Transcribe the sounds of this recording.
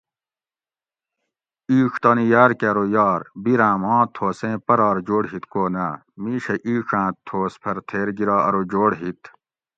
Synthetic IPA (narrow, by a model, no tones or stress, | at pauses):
iːkʰt̪ɐːnijaːɾkeɾojaːɾbiɾãːmɑ̃ːt̪ʰːoːsẽːpɐɾɑːɾd͡ʑoːɽɦit̪koːnaː | miːɕɐʔiːʂãːt̪ʰoːspʰɐɾt̪ʰeːɾɡiɾaːɐɾod͡ʑoːɽɦit̪